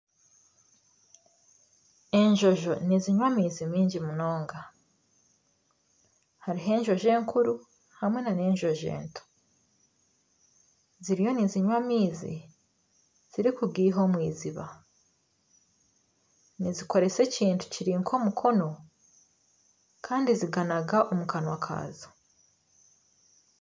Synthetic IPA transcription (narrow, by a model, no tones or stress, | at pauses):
e̞ɲʒo̞ʒo̞niziɲwamiːzimiːɲɟimunoːŋɡa | haɾiɦe̞ːɲʒo̞ʒe̞ːŋkʰuɾu | hamwe̞nane̞ːɲʒo̞ʒe̞̰ːntʰo̥ | ziɾijo̞niziɲwamiːzḭ | z̥iɾikuɡiːɦo̞mwiːziβa | niziko̞ɾe̞se̞ciːntʰu̥ciɾiːŋkʰo̞ːmukʰo̞no̞ | kʰaːndiziɡanaɡaʔomukanwakʰa̰ːzo